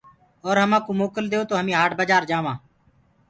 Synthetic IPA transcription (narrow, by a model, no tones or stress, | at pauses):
ɔːɾɦəmãːkoːmoːkəld̪eːoːt̪oːɦəmĩːɦaːʈbəd͡ʒaːɾd͡ʒaːʋãː